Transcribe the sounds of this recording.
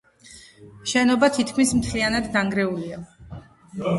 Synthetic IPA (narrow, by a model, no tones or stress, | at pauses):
ʃɛnɔbat̪ʰit̪̚ʰkʰmismt̪ʰlianad̪naŋɡɾɛulia